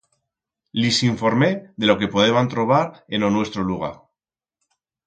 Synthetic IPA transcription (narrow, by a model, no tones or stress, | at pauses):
lisiɱfo̞ɾme̞ðe̞lo̞ke̞poð̞eβant̪ɾo̞β̞aɾe̞no̞nwe̞st̪ɾoluɣ̞a̰